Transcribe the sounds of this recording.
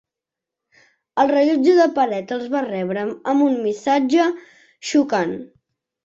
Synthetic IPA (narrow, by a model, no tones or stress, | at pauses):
əlˠrəʎud͡ʒuðəpəɾɛt̪əlˠzβarɛβɾəəmunmisad͡ʒə | ʃukan